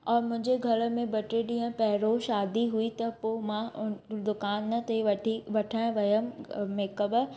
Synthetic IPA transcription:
ɔːɾmʊ̃ɦɪ̃ɲd͡ʑeɡʱɐɭə̆mẽbɐʈeɗĩːə̃pɛɦɾoʃaːd̪iɦuit̪ɐpomãd̪ʊkaːnːɐt̪ʰeɐʈiʋɐʈʰãʋɐjəmmeːkəb

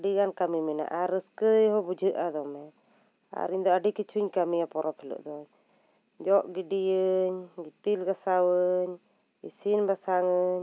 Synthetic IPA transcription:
aɖiɡankamimɛna̰ʔaɾəskəjɦɔbud͡ʒʱəʔad̪ɔmɛ | a̰ɾiɲd̪ɔaɖikit͡ʃʰuɲkamijapɔɾʔɔpʰɛlṵʔd̪ɔɲ | d͡ʒɔʔɡiɖijəɲɡit̪ilɡasawəəɲ | ḭsinbasaŋəɲ

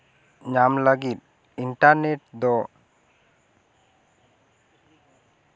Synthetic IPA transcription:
ɲamləɡit̪̚ | iɳʈaɾneʈ̚d̪ɔ

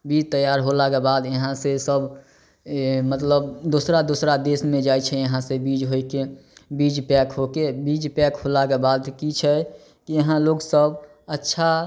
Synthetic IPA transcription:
biːd͡ʒt̪əjːaːɾɦolakebaːd̪jəɦãsesəb | mət̪ləbd̪uːsɾad̪uːsɾad̪esmẽd͡ʒaːit͡ʃʰɛjɐɦãsebiːd͡ʒɦoikebiːd͡ʒpɛkɦokebiːd͡ʒpɛːkɦolakebaːd̪kit͡ʃʰɛ | kijəɦãloːɡsəb | ətːʃʰa

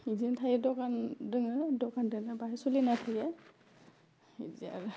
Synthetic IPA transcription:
izintʰajedɔkandɯŋɯdɔkandɯŋɯbasulinatʰaje | izia̰ɾ

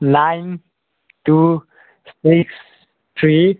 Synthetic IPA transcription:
nãjn | tu | siks | t̪ʰɹi

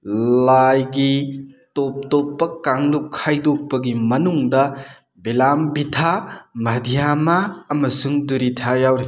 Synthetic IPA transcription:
lajɡitop̚topːɐkaŋlukʰːajdok̚pɐɡimɐnuŋdɐ | bilambitʰamɐdijamaːmɐsuŋduɾitʰajawɾe

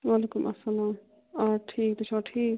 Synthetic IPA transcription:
ʋaːleːkʊmʔɐ̰sɐlaːm | aːʈʰiːk̚d̪ot͡ʃʰaːʈʰiːk

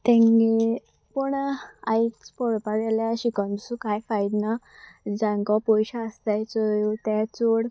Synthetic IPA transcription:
t̪ẽŋɡe | pəɳait͡spɔɽpaɽaljaɕikãnsukajfajd̪na | d͡zãŋkɔpɔjɕaəst̪ajt͡sɔjut̪at͡soɽ

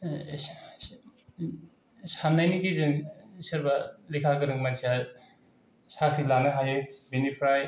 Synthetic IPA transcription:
sanːajniɡizɯŋsɯɾbalikʰaɡɯɾɯŋmansia | saɾkʰilanɯɦajɯbinipʰɾaj

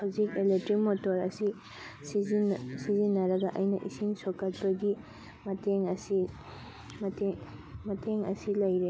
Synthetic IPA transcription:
hɐwzikelek̚tɾik̚motoɾɐsi | sizisizinːɐɾɐɡɐʔɐjnɐʔḭsiŋsokat̚pɐɡi | mɐtʰeŋɐsi | mɐtmɐtʰeŋɐsilɐjɾe

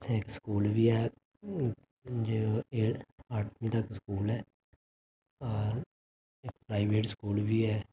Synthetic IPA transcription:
sʰɛ̃ːɪkskuːlʋiːɛː | d͡ʒeeaʈʰmĩːt̪əkskuːlɛː | ɪkpɾaːɪʋeːʈskuːlʋiːɛː

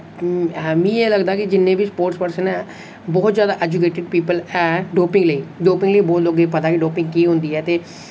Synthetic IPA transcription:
ɦmĩːeːləɡd̪aːkɪd͡ʒɪnːẽːbʱiːspoːɾʈspəɾsənɛː | bɔːt̪zjaːd̪aːʔɛːd͡ʒʊkeːʈɪɖpiːpəlɛːɖoːpɪ̃ŋɡləiːɖoːpɪŋləiːbɔːt̪loːɡepət̪aːkɪɖoːpɪ̃ŋɡ̚kiːɦʊ̃nd̪iːɛːt̪eː

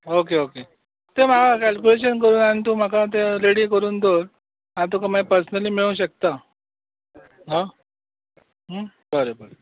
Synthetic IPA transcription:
okeoke | t̪em̤akakælkuɾeɕ̬ənkəɾuːnaɽ̃it̪̬ũm̤akat̪̬eleɽiːkəɾuːnd̪oɾ | ɦãt̪̬okəmapəɾsənəliːmiɭũɕ̬ək̚t̪a | ɦã | ɦ | bəɾebəɾe

